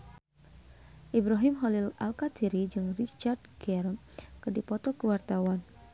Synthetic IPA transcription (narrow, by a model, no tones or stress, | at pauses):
ʔibɾaɦimɦɔlila̰lkat̪ʰiɾid͡ʒɨŋrit͡ʃardɡɛrm | kədipɔt̪ɔkəwart̪awan